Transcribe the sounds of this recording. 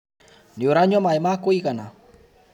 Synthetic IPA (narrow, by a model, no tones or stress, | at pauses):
nioɾaɲomaemakoikana